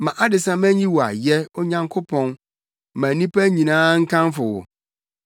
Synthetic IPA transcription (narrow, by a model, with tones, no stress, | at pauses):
mã˨ʔa˦dɪ˨sã˦mæ̃˦ɲĩ˦wɔ˨a̰˨jɛ˦ɔ˦ɲã˦ŋkʰo˦pʰɔ̃˦n | mã˨nĩ˦pʰæ˦ɲĩ˨nãː˦ŋ̩˦kʰã˦nfʊ˨wʊ̰˨